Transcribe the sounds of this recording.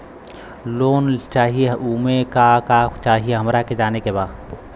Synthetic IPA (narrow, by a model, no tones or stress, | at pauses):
loːnt͡ʃaːɦieuːmekakat͡ʃaːɦieɦəmɾaked͡ʒaːnekebaːd̪